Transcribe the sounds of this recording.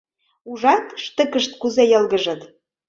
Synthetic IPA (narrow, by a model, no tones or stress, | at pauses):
uʒɑt̪ʃt̪ə̆kə̆ʃt̪̚kuzejɤ̆lɣə̆ʒə̆t̪